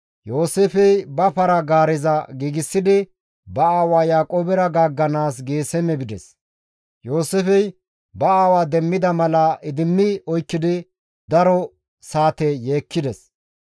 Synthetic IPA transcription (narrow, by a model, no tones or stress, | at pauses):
jo̞ːsefɛjbɐpɐɾɐɡaːɾɪzɐɡiːɡɪsːɪd̪ɪ | bɐaːwaːjaːkʼoːbɛɾɐɡaːɡːɐnaːsɡeːsɛmɛbɪd̪ɛs | jo̞ːseːfɛj | bɐaːwaːd̪ɛmːɪd̪ɐmɐlɐʔɪd̪ɪmːɪɔjkːɪd̪ɪ | d̪ɐɾɔ | saːt̪ɛjeːkːɪd̪ɛs